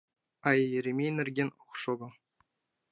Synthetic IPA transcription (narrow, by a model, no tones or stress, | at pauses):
ɑjjɘ̆ɾʲemʲenʲɘ̆rʲɡʲenʲoχʂɤ̆ɡɤ̆